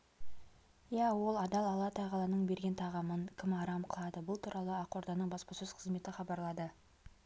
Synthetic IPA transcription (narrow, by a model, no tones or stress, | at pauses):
jæwo̞lˠɑd̪ɑlˠɑlˠɑt̪ʰɑʁɑlˠɑnəɴbe̞ɾɡʲe̞nt̪ʰɑʁɑməŋkʲʰɪmɑɾɑmqʰəlˠɑd̪əbʊlˠt̪ʰuɾɑlˠəɑqo̞ɾd̪ɑnəɴbɑspɑsʏz̥qʰəzme̞t̪ɪχɑbɑɾlˠɑd̪ə